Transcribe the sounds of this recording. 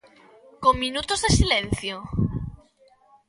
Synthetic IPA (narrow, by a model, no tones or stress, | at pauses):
koŋminut̪ozðesilen̟θjo